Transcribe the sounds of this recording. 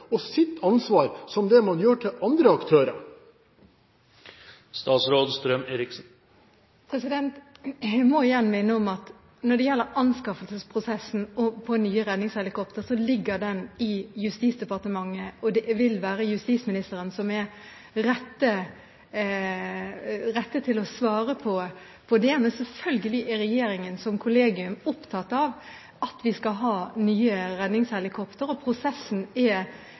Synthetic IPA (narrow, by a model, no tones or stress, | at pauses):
ɔsɪt̪ːɑnsʋɑːɾsɔmd̪ɛmɑnjøːʈʰɪlʔɑnd̪ɾəɑkt̪ʰøːɾə̰ɾ | st̪ɑːt̪sɾoːd̪st̪ɾœmeːɾɪksn̩ | pʰɾɛsɪd̪ɛnt̪mɔɪjɛnːmɪnːəɔmɑt̪ | nɔɖ̪ɛjɛlːəɾɑnskɑfəlsəspʰʁʊsɛsn̩ɔpʰɔnyːəɾɛd̪nɪŋshɛlɪkɔpt̪əɾsɔlɪɡːəd̪ɛnɪjʉst̪iːsd̪ɛpɑʁt̪əmɑŋːəɔd̪ɛʋɪlʋæːɾəjʉst̪iːsmɪnɪst̪əɾənsɔmɛ | ɾɛt̪ːə | ɾɛt̪ːət̪ʰɪlɔsʋɑːɾəpʰɔ | pʰɔd̪ɛmɛnsɛlfœlɡəlɪʔɛɾɛjeːɾɪŋənsɔmkʰʊleːɡɪʉmʊpt̪ʰɑt̪ːɑʋ | ʔɑt̪ʋɪskɑɦɑːnyːəɾɛd̪nɪŋshɛlɪkʰɔpt̪əɾɔpʰɾʊsɛsn̩ɛ